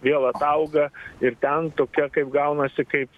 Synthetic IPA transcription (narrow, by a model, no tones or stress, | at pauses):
ʋʲiɛlˠɐt̪ɐʊɡɐɪrt̪ʲɛnt̪oːkʲɛkɐɪpɡɐʊnɐsʲɪkɐɪp